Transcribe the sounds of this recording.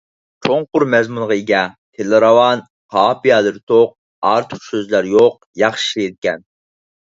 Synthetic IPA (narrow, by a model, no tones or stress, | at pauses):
t͡ʃʰoŋqʊɾmɛzmunʁɑiɡʲɛ | t̪ʰelˠɨɾɑwɑn | qʰɑːpijɑlˠɨɾt̪ʰoq̚ | ɑɾt̪ʰʊ̥χsøzlæɾjoq̚ | jɑχʃiʃjed̪̚kʲɛ̰n